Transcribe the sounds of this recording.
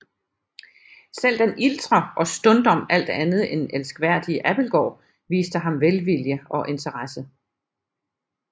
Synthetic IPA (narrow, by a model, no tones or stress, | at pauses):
sel̰d̥enʔild̥ʁɐʔɒ̽sd̥ɔ̽nd̥ɒ̽m̰æl̰d̥ænð̞̩ˠenelsɡ̥ʋæɐ̰d̥iəʔæb̥l̩ɡ̥ɒ̰ː | ʋḭːsd̥əɦɑ̈mʋelʋiljəɒ̽ʔe̝nt͡sʰəʁɑsə